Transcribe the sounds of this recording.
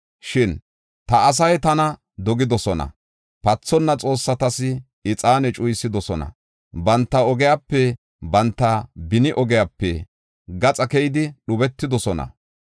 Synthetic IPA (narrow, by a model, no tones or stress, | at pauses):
ʃɪn | t̪ɐːs̬ɐjt̪ɐnɐ | d̪ɔɡɪd̪ɔsɔnɐ̰ | pɐt͡sːɔnːɐt͡sʼo̞ːsːɐt̪ɐsɪ | ɪt͡sʼaːnɛt͡ʃʼʊjsːɪd̪ɔsɔnɐ̰ | bɐnt̪ːɐɔɡɛjaːpːɛ | bɐnt̪ːɐbɪnɪʔɔɡɛjapːɛ | ɡɐt͡sʼɐkɛjɪd̪ɪɗʊbɛt̪ːɪd̪ɔsɔnɐ̰